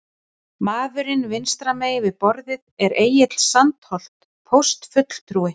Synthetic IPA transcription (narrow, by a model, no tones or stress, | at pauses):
maːðʏɾɪnvɪnst̪ɾameːjɪvɪðpɔɾðɪðɛɾeːjɪt̪l̥sant̪hɔl̥t̪ | pʰowst̪fʏt̪l̥t̪ʰɾuːɪ